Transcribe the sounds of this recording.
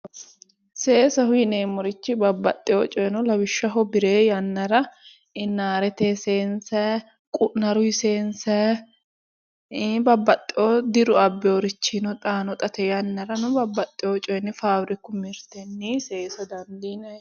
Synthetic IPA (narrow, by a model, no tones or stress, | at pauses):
seːsɐhʊjneːmːɔɾɪt͡ʃːɪbɐbːɐt̪ʼːɪjoːt͡ʃʼɔjnɔlɐwɪʃːɐɦɔbɪɾeːjɐnːɐɾɐ | ɪnːaːɾɛt̪eːseːnsɐ | kʼʊʔnɐɾʊɪseːnsɐ | bɐbːɐt̪ʼːɪʔoːd̪ɪɾʊɐbːɛɔɾɪt͡ʃːinɔt̪ʼaːnɔt̪ʼɐt̪ɛjɐnːɐɾɐnʊbɐbːɐt̪ʼːɪjoːt͡ʃʼɔjnːɛfaːwɾɪkːʊmɪɾt̪ɛnːiːseːsɔd̪ɐnd̪iːnɐ